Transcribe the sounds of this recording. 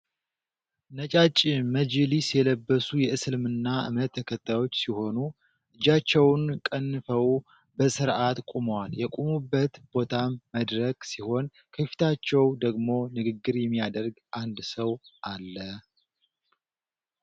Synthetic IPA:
nət͡ʃʼat͡ʃʼiməd͡ʒilisjɛləbːəsujɛɨsɨlmɨnːaʔɨ̰mnət̪ʰːəkʰət̪ʰːajo̞t͡ʃːsiho̞nu | ʔɨd͡ʒːat͡ʃːɛwnkʼənːfəw | bəsɨɾʔat̪kʼumwaljɛkʼumubːət̪b̥o̞t̪ʰaːəd̪ɾəkʼsiho̞n | kʰəfi̥t̪ʰat͡ʃːɛwd̪əɡmo̞nɨɡɨɡːɨɾjɛmːijad̪əɾɡʔand̪səwʔalːə

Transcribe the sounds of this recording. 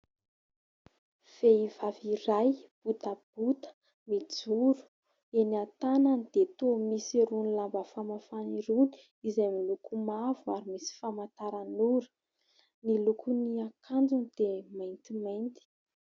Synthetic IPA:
v̥eivavirajb̥ut̪ab̥̚ut̪ə̥ | mid͡zuɾu̥ | eniat̪ananid̪et̪omisiɾunilambəfamafaniɾuni | izemilukumavuaɾimisi̥famat̪aɾanuɾə̥ | nilukuniakʰand͡zunid̪̥emajnt̪imajnt̪i̥

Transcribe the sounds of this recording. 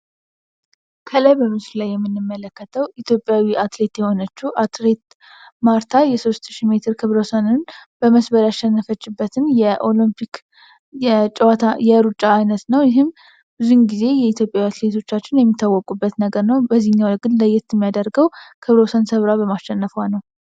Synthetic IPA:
kʰəlajbəmɨsllajːɛmːɨnːɨmːələkːət̪ʰəwit̪ʰjo̞pʼjawiʔat̪le̞t̪jɛho̞nət͡ʃːuʔat̪le̞t̪ | maɾt̪ʰajɛso̞st̪ʃime̞t̪ʰɨɾkʰɨβɾosənɨnbəməsbəlaʃːɛnːəfət͡ʃːɪbːət̪ʰɨnjɛʔo̞limpʰik | jɛt͡ʃʼwat̪ʰajɛɾut͡ʃʼaːjnət̪nəwjɪɦɨm | bɨzunɡize̞jɛit̪jo̞pʼjawiat̪le̞t̪ʰo̞t͡ʃːat͡ʃːɪnjɛmːit̪ʰːawːɔkʼubːət̪nəɡəɾnəwbəzːihɲːawlɡɨnləjːɛt̪jɛmːijad̪ərɡəwkʰɨβɾo̞sənsəβɾabəmaʃɛnːəfanːəw

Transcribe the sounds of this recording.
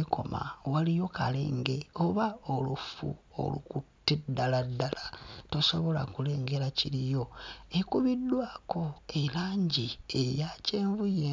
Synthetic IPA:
kʰo̞̰ma̰walijo̞ka̰le̞̰ːŋɡe̞oβaolufṵ | o̰lṵkutːidːaladːalato̞so̞βo̞la̰kule̞ːŋɡe̞ɾaciɾijo̞ekuβidːwaːko̞elaːɲɟiejaceːɱvuje

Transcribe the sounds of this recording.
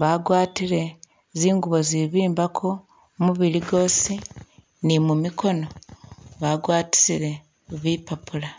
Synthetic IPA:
βaɡwaːtiɾe̞ | ziːŋɡuβo̞ziβiːmbakʰo̞ | muβiliɡo̞ːsi | nimumiko̞no̞βaɡwaːti̥siɾe̞ | βipapula

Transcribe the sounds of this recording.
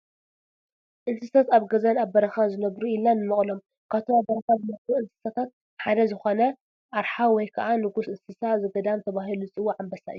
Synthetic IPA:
ʔɨnsɨsat̪aβɡɐzɐnaβbɐɾɐxazɨnɐβɾuɪlːanːɨmɨχʼlo̞m | kʰat̪ʰuwabɐɾɐkabɨnɐfuʔɨnsɨ̥sɐt̪ʰat̪̚ | ħad̪ɐzɨxo̞nɐ | ʔaɾħawɔjkʰɐʔanɨɡusɨnsɨsazɨɡɐd̪amt̪ʰɐβaɦɨlut͡sʼɨwːaʕambɐsa̰ʔɨju

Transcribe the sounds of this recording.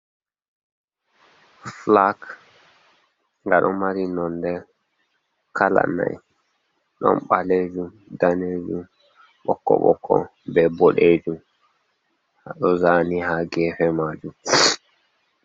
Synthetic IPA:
flak | ŋɡaɗɔmaɾinɔndɛ | kala̰na̰j | ɗɔ̰nɓaleːd͡ʒum | daneːd͡ʒum | ɓɔkːɔ̰ɓɔ̰kʰːɔ̰ | bɛbɔɗeːd͡ʒum | haɗɔzaːnihaɡɛːfɛmaːd͡ʒum

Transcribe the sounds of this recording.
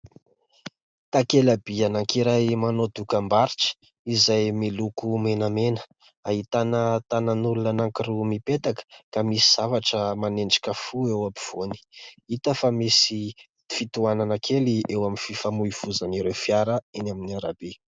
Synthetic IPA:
t̪akelabianaŋkiɾajmanod̪ukambaɾiʈ͡ʂə̥ | izajmilukumenəmenə̥ | aɦit̪anət̪ananululanaŋkirumipet̪akə̥kamisiz̥avaʈ͡ʂəmaneɳɖ͡ʐḁkʲəfuewapiv̥oni̥it̪əfamisi | fit̪uananakʰeliʔewamififamuiv̥uzaniɾewfiaɾəinaminiaɾab̥e

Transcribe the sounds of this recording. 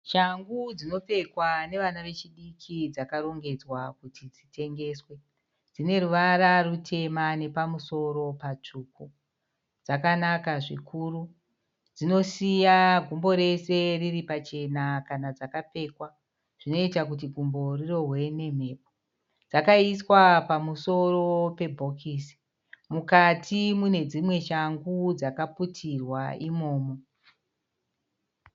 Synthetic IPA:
ʃaŋɡud͡zino̞pe̞kwane̞ʋanaʋe̞t͡ʃiɗikʰid͡zakaɾo̞ŋɡe̞d͡zwakutʰid͡zitʰe̞ŋɡe̞ːswe̞ | d͡zine̞ɾuʋaɾarutʰe̞mane̞pamuso̞ɾo̞pat͡ʂuːku | d͡zakanakaʐikʰuːru | d͡zino̞sijaɡʱumbo̞ɾe̞se̞riripat͡ʃe̞nakanad͡zakape̞kwa | ʐ̥ino̞itak̬ut̬iɡʱumbo̞riro̞ɦwe̞ne̞m̤e̞ːpo | d͡zakaiswapamuso̞ro̞pe̞bʱo̞kʰisi̥ | mukatʰimune̞d͡zimwe̞t͡ʃaŋɡud͡zakaputʰirwaimo̞ːmo̞

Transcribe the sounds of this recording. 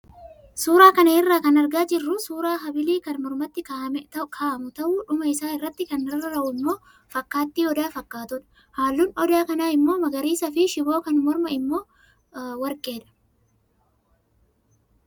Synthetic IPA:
suːɾaːkɐnɐɪrːaːkɐnɐɾɡaːd͡ʒɪrːʊsuːɾaːɦɐbɪliːkɐnmɔɾmɐt̪ːɪakʰaːʔɐmʊt̪ɐʔuːᶑʊmɐɪsaːɪrːɐt̪ːɪkɐnːɪɾɐrɐɾɐʔʊɪmːo̞ː | fɐkːaːt̪ːiːɔd̪aːfɐkːaːt̪ʊᶑɐ̥ | haːlːuːnɔd̪aːkɐnaːɪmːo̞ːmɐɡɐɾiːsɐfɪʃɪbo̞ːkɐnmɔɾmɐɪmːo̞ː | wɐɾkʼe̞ːᶑɐ̥

